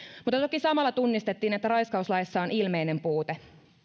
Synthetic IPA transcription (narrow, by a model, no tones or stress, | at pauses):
mut̪ːɑt̪o̞kisɑmɑlːɑt̪unːist̪et̪ːiːnet̪ːæɾɑjskɑuslɑjsːɑonilmejne̞mpuːt̪e